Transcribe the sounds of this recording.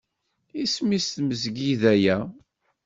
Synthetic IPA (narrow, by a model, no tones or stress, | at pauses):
ismist̪məzɡiðæjæ